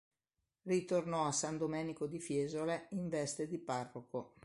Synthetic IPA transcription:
rit̪ornɔasːand̪omɛːnikod̪ifjɛːzoleiɱvɛst̪ed̪iparːoko

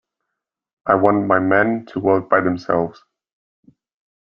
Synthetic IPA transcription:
ʔaɪwɑ̃nmaɪmɛ̃ntʰəwɜˑk̚b̥aɪðə̃msɛ̰lˠvz̥

